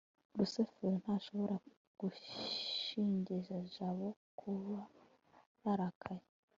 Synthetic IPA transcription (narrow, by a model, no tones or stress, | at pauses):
ɾusefeɾon̥haʃo̞βo̞ɾa | ɡ̥u | iːɲɟiʒaʒaβokʰuβa | jaɾakʰaje